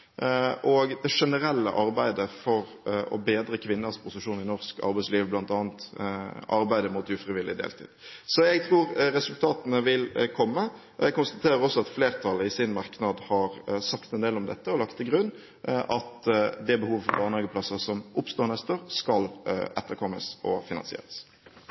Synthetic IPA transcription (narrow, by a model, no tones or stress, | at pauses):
ʔɔɡd̪ɛʂɛnəɾɛlːə̰ʔɑɾbæɪd̪əfɔɾ | ɔ̰beːd̪ɾəkʰʋɪnːəspʰʊsəʂuːnɪnɔʁskɑ̰ɾbæɪsliːʋblɑnt̪ɑːnt̪ʔɑɾbæɪd̪əmʊt̪ʉfɾɪʋɪlɪd̪ḛːlt̪ʰḭːd̪̥sɔɛɡ̚t̪ʰɾuːɾɾɛsʉlt̪ʰɑːt̪ənəʋɪlkʰɔmːə | ɔɛɡ̚kʊnst̪ɑt̪ʰeːɾəɾɔsːɔɑt̪fleːʁt̪ʰɑləɪsɪnmɑʁknɑd̪hɑɾsɑkt̪ɛnd̪eːlɔmd̪ɛ̰t̪ːəɔlɑkt̪ʰːɪlɡʁʉnː | ʔɑt̪d̪ɛbəhuːʋəfɔɾbɑːʁnɑːɡəpʰlɛsːəsɔmʔʊpst̪oːɾnɛst̪əʁskɑlɛt̪ːəɾkʰɔmːəsɔ̰fɪnɑ̰nsɪḛːʁəs